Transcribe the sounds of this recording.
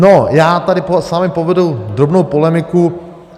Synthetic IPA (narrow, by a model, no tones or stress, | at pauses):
nojaːt̪adɪposaːmɪpovɛdud̪ɾobnowpolɛmɪku